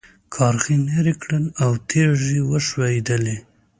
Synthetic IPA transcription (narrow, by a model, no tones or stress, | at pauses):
kʰɑɾxineɾikɽənawt̪ʰeʒiwəʃweid̪əli